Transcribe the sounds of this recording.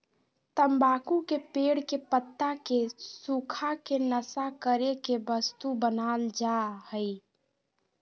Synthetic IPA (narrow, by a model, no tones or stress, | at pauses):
t̪əmbakukepeɽkepət̪ːakesukʰakenəsakəɾekebəst̪ubənald͡ʒahəɪ